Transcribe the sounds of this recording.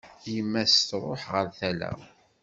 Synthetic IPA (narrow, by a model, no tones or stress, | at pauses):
jəmːæst̪ɾˤoħʁəɾθælæ̰